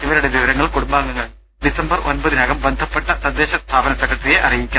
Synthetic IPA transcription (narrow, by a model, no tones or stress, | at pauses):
iʋɐɾuɽe̞ʋiʋɐɾɐŋːɐɭkuɽumbaːŋɡɐŋːɐɭ | ɖisɐmbɐrʔonbɐðinɐɣɐmbend̪ʱɐpːeʈːɐsɐd̪ːeːɕɐst̪ʰaːbɐnɐsɐkɾɐʈːrijeʔɐrijikʲːun